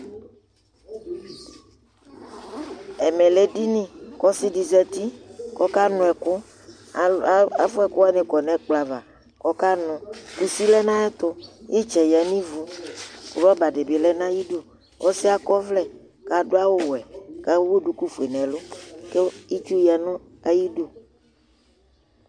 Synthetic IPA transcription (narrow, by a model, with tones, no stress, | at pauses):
ɛ˨mɛ̃˨le˦di˦nĩ˦kɔ˦si˦di˨zɛ˦t̪i˦kɔ˦ka˦nɔ̃˨ɛ˨kʊ˦ | a˨fʊ˦ɛ˨kʊ˦a˦nẽ˨kɔ˨nɛ̃˨k͡pla˨va˨ | kɔ˦ka˦nɔ̃˨ku˨si˦lɛ˦nã˦ɛ˦t̪ʊ˦je˦t͡ʃɛ˨ja˨nĩ˦vu˨kʊ˨ɾɔ˦ba˨ɖe˨be˨lɛ˦nã˦ji˦do˦ | wʔɔ˦sɪ˦a˦kɔ˦vlɛ˨ | ka˨do˦a˦wo˦wɛ˨ka˦wwo˦ɖu˨ku˦fu˨e˨nɛ̃˨lʊ˦ke˦i˦t͡ʃu˦ja˨nʊ̃˦ | a˦ji˦do˦